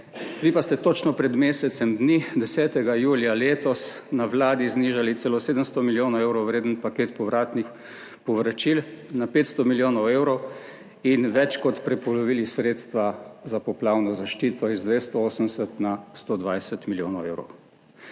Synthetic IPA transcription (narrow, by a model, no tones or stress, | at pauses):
ʋiːpast̪ɛt̪ot͡ʃnɔpɾɛd̪meːsɛt̪sɛmd̪nid̪ɛsɛːt̪ɛɡajuːljaleːt̪ɔs | naʋlaːd̪izniːʒalit̪selɔseːd̪əmst̪ɔmiljoːnɔewɾɔwʋɾeːd̪ənpakeːt̪pɔʋɾaːt̪nix | pɔʋɾat͡ʃilnapeːt̪st̪ɔmiljoːnɔwewɾɔw | inʋɛt͡ʃkɔt̪pɾɛpɔlɔʋiːlisɾeːt̪st̪ʋazapɔplaːwnɔzaʃt͡ʃiːt̪ɔizd̪ʋest̪ɔoːsəmsət̪nast̪oːd̪ʋajsət̪miljo̰ːnɔwḛwɾɔ̰w